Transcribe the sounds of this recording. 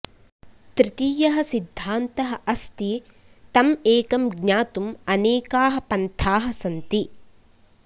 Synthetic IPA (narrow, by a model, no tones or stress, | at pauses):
t̪ɾɪt̪iːjɐɦɐsid̪ʱːaːnt̪ɐɦɐ̆ʔɐst̪i | t̪ɐmeːkɐmɡɲaːt̪umɐneːkaːɦɐ̆pɐnt̪ʰaːɦɐsɐnt̪i